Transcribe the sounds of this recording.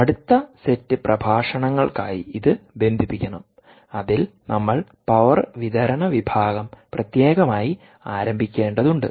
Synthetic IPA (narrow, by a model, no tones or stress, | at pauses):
ɐɽut̪ːɐsetːɨprɐbʱaːʂɐɳɐŋːɐɭkaːjḭiðɨbe̞nd̪ʱipːikʲːɐɳɐm | ɐðilnʔɐmːɐɭ | pɐʋɐrʋid̪ɐɾɐɳɐʋibʱaːɡɐmprɐt̪je̞ːɣɐmaːji | aːɾɐmbʱikʲːe̞ːɳɖɐðuɳɖɨ̰